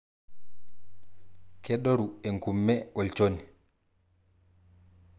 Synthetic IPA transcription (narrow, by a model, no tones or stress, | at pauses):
kɛɗoɾueŋkumːɛɔlt͡ʃoni